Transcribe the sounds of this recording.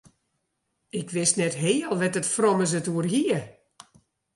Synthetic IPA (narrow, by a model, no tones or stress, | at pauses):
ɪkʰʋɪsnɛtɦeːəlˠʋɛtətfrɔməs̬ətuərɦiə